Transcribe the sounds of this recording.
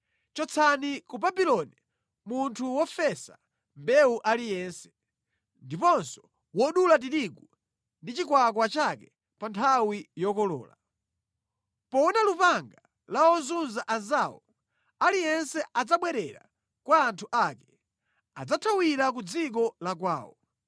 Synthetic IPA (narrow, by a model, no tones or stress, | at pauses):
t͡ʃɔt͡sʰanikubabilɔni | muntʰuwɔfɛsa̰ | mbɛuʔalijɛːnsɛ̥ | ndipɔnsɔ̥ | wɔɗulat̬iɾiɡu | ndit͡ʃikwak̬wat͡ʃakɛ | pantʰawijɔkɔlɔ̰ːla̰ | pɔɔnalupaŋɡa | laɔnzunzaʔanzaːwɔ | alijɛnsɛʔad͡zaɓwɛɾɛɾa̰ | kwaːntʰuʔakɛ | a̰d͡zatʰawiɾak̬ud͡zik̬ɔlakwaːwɔ